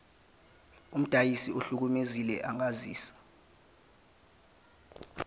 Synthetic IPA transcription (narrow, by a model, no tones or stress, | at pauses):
um̩d̥ʱajisioɬuk̬umezilɛʔaŋaziːsḁ